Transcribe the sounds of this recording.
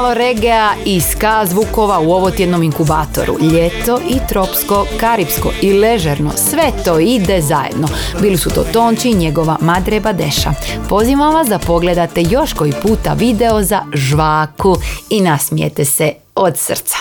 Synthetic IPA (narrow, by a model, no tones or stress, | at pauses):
aloɾeɡeaiskazʋuko̞ʋauo̞ʋot̪jed̪nomiŋkuba̰ːt̪o̞̰ɾṵʎet̪o̞ʔit̪ɾo̞psko̞kaɾipsko̞̰ʔile̞ʒeɾno̞̰sʋet̪o̞ːid̪e̞zajḛd̪no̞ | biːlisut̪o̞̰ːt̪o̞ːnt͡ʃiɲe̞ɡo̞ʋamad̪ɾebad̪e̞̰ʃa̰po̞ziʋamʋasd̪apo̞ɡle̞d̪at̪e̞jo̞ʃko̞ipuːt̪a̰ʋid̪e̞o̞zaʒʋaːkuinasmijḛt̪ese | o̞d̪sr̩t̪sḁ